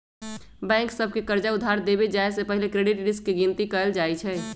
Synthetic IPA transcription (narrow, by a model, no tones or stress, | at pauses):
bɛ̃ːŋksəb̚ʱkekəɾd͡ʒaʊd̪ʱːaɾd̪ebed͡ʒaesepəɦilekɾeːɖɪʈɾɪskːiɡint̪ikəəld͡ʒaːit͡ʃʰɛː